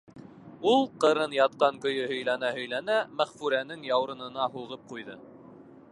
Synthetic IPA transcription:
ulˠqɤ̆ɾɤnjɑt̪̚qɑŋkɵ̆jɵhɵ̆jlænæhɵ̆jlænæmæχfʉɾænɘŋjɑwɾɤ̆nɤ̆nɑɦuʁɤp̚qujðɤ

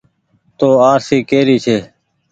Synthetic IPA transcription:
t̪oːaːɾsiːkeːɾiːt͡ʃʰeː

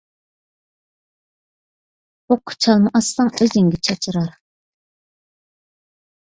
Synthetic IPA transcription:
oqʰːʊ̥t͡ʃʰɑlˠmɨʔɑslˠɑŋøzɪŋɡʲɛt͡ʃʰɑt͡ʃʰɨɾɑɾ

